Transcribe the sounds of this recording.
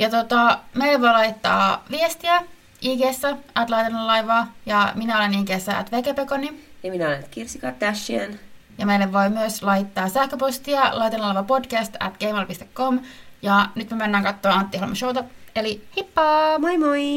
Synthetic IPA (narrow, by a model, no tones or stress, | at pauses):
jɑt̪ot̪ɑmeilːeʋoilɑitt̪ːɑ̰ːʋiest̪iæ | iːkeːsːæʔæt̪lɑit̪enːɑllɑiʋɑːjɑminæoleniːkeːsːæʔæ̰t̪ʋekepekonijɑminæolenːyt̪kirsikɑt̪ːæsːien | jɑmeilːeʋʋoimyøslɑit̪ːɑːsæhkøpost̪iɑlɑjt̪ɑnːlɑiʋɑpodkæst̪æ̰t̪ɡ̥eːmɑlpist̪ekːomjɑnyt̪memænːæːŋkɑt̪ːoːɑnt̪ːihl̰mɑ̰ʃouwt̪ɑelihipːɑːmoimoi